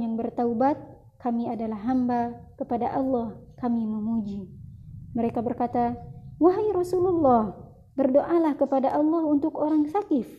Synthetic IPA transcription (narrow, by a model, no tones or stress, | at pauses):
jaŋbərt̪aubat̪̚ | kamiadalahːambakəpadaʔɑlːɑhkamiməmud͡ʒi | məɾekabərkat̪awaɦajɾɔsululːɑh | bərdoʔalahkəpadaʔɑlːɑhunt̪ʊkoɾaŋsakɪf